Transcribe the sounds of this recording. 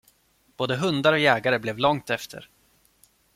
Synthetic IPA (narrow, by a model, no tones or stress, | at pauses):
b̥oːd̪əɦɵnd̪aɾɔjɛːɡaɾəblɛvlɔŋt̪ɛft̪ʰə̰ɾ